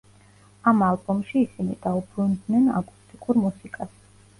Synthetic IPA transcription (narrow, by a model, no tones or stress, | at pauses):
amalˠbɔmʃiːsinid̪̥aubɾund̪nɛna̰kʼust̪ʼikʼuɾmusikʼas